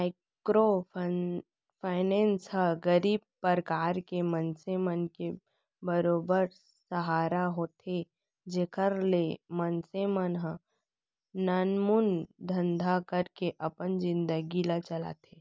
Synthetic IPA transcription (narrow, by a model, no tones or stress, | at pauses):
maɪ | kɾo | pʰaːɪnẽːnshəɡəɾiːb̚pəɾkaːɾkemənsemənke | bəɾoːbəɾ | səɦaːɾaɦoːt̪e | d͡ʒekʰəɾlemənsemənɦə̃ | nanmund̪ʱə̃nd̪ʱakəɾkeʔɐpənd͡ʒɪ̃nd̪əɡilat͡ʃəla̰t̪ʰeː